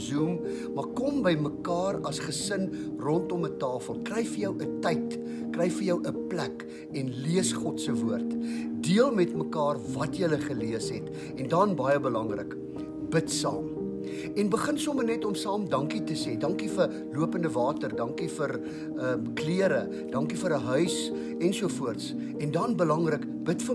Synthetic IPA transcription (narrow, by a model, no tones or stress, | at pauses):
zum | mɐkɔmbəjməkɑːrɐsχəsən | rɔntɔmətɑːfəlˠkrɛjfərjəwʔətəjt | krɛjfərjəwʔəplæk | ɛnliəsχɔtsəvuərtdiəlˠmɛtməkɑːrvɐtjələχəliəsɦɛt | ɛndɐnbɐjəbəlɐŋrə̰k | b̥ətsɑ̰ːm | ɛnbəχənsɔmənɛtɔmsɑːmdɐŋkitəseːdɐŋkifər | luəpəndəvɑːtərdɐŋkifər | əkliəɾə | d̥ɐŋkifəɾəɦœɥs | ɛnsuəfuərts | ɛndɐnbəlɐŋrək | b̥ətfə